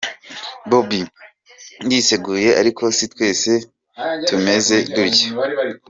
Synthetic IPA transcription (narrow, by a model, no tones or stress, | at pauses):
bobi | ndise̞ɡuːje̞ʔa̰ɾikʰo̞sitwe̞ːse̞ | tume̞ze̞duɾɟa